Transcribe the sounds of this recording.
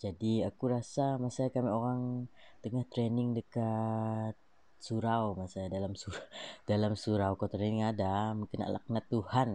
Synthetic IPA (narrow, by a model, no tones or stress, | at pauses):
d͡ʒadiakuɾasamasajakamioɾaŋt̪əŋaht̪ɾenɪŋdəkat̪̚ | suɾawmasajadalamsuɾd̥alamsuɾawkot̪ɾenɪŋadamuŋkəna̰la̰k̚nat̪uhan